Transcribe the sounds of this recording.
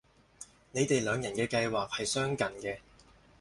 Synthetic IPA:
ne˨˧jt̪e˨jlœː˨˧ŋjɐ˨˩nkɛː˧kɐ˧jwaː˨˩k̚hɐ˨jsœː˥ŋkɐ˨nkɛː˧

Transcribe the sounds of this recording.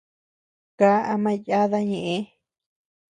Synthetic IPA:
ka˨˦a˧mã˦ja˦ða˦ɲẽ˨ʔẽ˦

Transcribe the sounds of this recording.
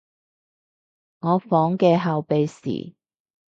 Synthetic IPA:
ŋɔː˨˧fɔː˨˥ŋkɛː˧ɦa˨˧wpe˨jsḭː˨˩

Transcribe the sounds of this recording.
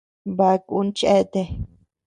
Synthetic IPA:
ba˧ku˦nt͡ʃe˦t̪e˧˨

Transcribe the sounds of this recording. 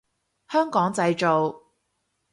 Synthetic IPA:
hœː˥ŋkɔː˨˥ŋt͡sɐ˧jt͡ʃo˨w

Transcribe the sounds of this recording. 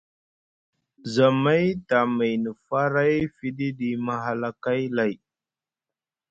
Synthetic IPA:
za˨ma˦jta˨ma˨jnə˨fa˦ɾa˦jfi˦ɗi˦ɗi˨ma˨ɦa˨la˨ka˦jla˨j

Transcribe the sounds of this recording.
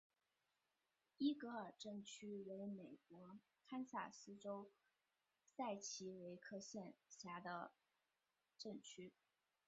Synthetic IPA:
i˥kə˩ə˞˨˩ʈ͡ʂɤ˥˩ŋt͡ɕʰy˥we˧˥ɪme˨˩ɪkwɔ˧˥ | kʰa˥nsa̰˨˩sɹ̩˥ʈ͡ʂo˥ʊ | sa˥˩ɪt͡ɕʰi˧˥we˧˥ɪkʰɤ˥˧ɕjɛ˥˧nɕja˧˥d̪ə̰˧ | ʈ͡ʂɤ˥˩ŋt͡ɕʰy˥

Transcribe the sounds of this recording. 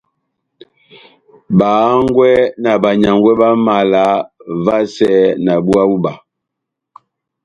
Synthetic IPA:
baː˨˦ŋɡwɛ˦na˨ba˨ɲa˨ŋɡwɛ˦ba˦ma˨la˨˦va˦sɛ˦na˨bu˦a˦bu˦ba˨

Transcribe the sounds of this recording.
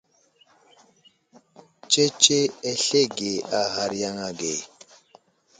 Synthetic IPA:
t͡ʃe˦t͡ʃe˦e˦ɬe˦˨ɡe˨a˦ha˨ɾja˦ŋa˦ɡe˨

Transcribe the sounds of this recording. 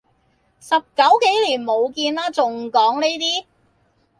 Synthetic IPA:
sɐ˨p̚kɐ˨˥wke˨˥jliː˨˩nmo˨˧wkiː˧naː˥t͡sʊ˨ŋkɔː˨˥ŋne˥jt̪iː˥

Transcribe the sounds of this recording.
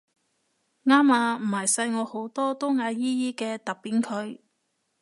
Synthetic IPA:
ŋaː˥maː˧m̩˨˩hɐ˨˩jsɐ˧jŋɔː˨˧ho˨˥wt̪ɔː˥t̪o˥ŋaː˨˧jiː˥jiː˥kɛː˧t̪ɐ˨k̚piː˨˥nkʰɵ˨˧ɥ

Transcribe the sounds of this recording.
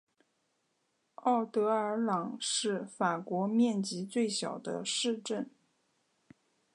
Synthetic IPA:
ɑ˥˩ʊt̪ɤ˧˥ə˞˧˥lɑ˨˩˦ŋʂɻ̩˥˩fa˨˩kwɔ˧˥mjɛ˥˩nt͡ɕi˧˥t͡swe˥˩ɪɕjɑ˨˩ʊd̪ə̰˦ʂɻ̩˥˧ʈ͡ʂə˥˩n

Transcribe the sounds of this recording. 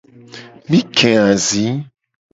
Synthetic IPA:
mĩ˦kʰɛ̃˨ã˨zĩ˨˦

